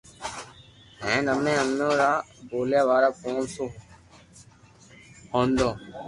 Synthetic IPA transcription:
ɦẽːnəmẽːənnõːɾaːboːljaːʋaːɾaːkoːnsoː | hõːnd̪õː

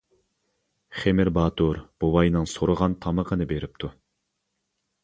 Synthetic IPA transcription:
χemɪɾbɑːt̪ʰuɾb̥owɑjnɨŋsoɾəʁɑnt̪ʰɑməqʰənɨbeɾɪp̚t̪ʰu

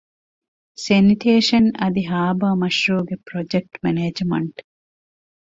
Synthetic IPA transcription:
seniʈʰeːʃɐnɐd̪iɦaːbaːmɐʃɾuːɡepɾod͡ʒek̚ʈmeneːd͡ʒmɐ̰ɳʈ

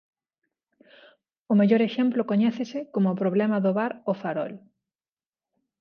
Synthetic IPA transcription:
ʊmeʎoɾeʃɛmplokoɲɛθesɪkomopɾoβlɛmɐðoβaɾofaɾɔ̰l

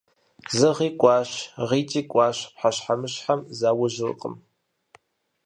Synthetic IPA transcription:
zɐʁiːkʷʼɑːɕʁiːt͡ʃʼiːkʷʼɑːɕpħaɕħamɨɕħamzaːwʊʒɪl̰qʼə̰m

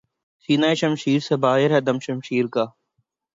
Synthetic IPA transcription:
siːnaːiʃɐmʃiːɾsɐbaːeɾɦɛd̪ɐmʃɐmʃiːɾkaː

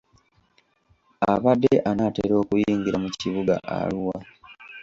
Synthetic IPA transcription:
aβadːeʔanateɾo̞ːkujiːŋɡiɾamuciβuɡa̰ʔa̰luwa

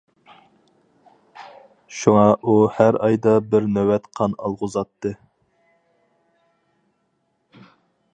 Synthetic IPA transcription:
ʃuŋɑʔuhæɾɑjd̪ɑbɪɾnøwɛt̪qʰɑnɑ̰lˠʁʊzɑt̪ːɨ

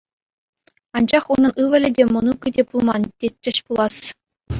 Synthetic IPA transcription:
ɑnd͡ʑɑχunɤ̆nɯʋɘ̆lʲɘ̆dʲemɤ̆nukɘ̆dʲepulˠmɑntʲet̪ʲːɘ̆ɕpulˠɑs

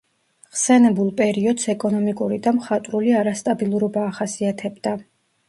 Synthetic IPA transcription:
ʁsɛnɛbulˠpʼɛɾiɔd̪sɛkʼɔnɔmikʼuɾid̪amχat̪ʼɾuliaɾast̪ʼabilˠuɾɔbaːχasiat̪ʰɛbd̪a

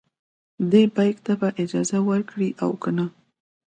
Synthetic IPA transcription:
d̪ebɑjkt̪abaʔɪd͡ʒɑzawəɾkɽiʔawkəna

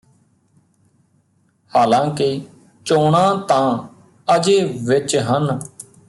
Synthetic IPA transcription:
haːlãːke | t͡ʃoːɳãːt̪ãː | əd͡ʒeːʋɪt͡ʃɦən

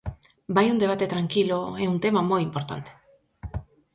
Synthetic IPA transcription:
bajund̪eat̪et̪ɾaŋkiloeunt̪emamojimpoɾt̪a̰nt̪e̥

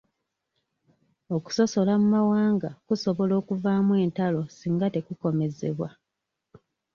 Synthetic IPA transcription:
o̞ku̥so̞so̞lamumawaːŋɡakuso̞βo̞lo̞ːkuvaːmwe̞ːntalo̞siːŋɡate̞kuko̞me̞ze̞̰βwa

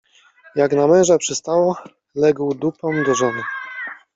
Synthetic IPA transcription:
jaɡnamɛ̃w̃ʐapʂɛst̪awɔ | lɛɡwd̪upɔ̃md̪ɔʐɔnɘ

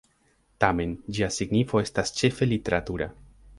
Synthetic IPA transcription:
tame̞nd͡ʒiasiɡnifo̞e̞stast͡ʃe̞fe̞lite̞ɾatuɾa̰

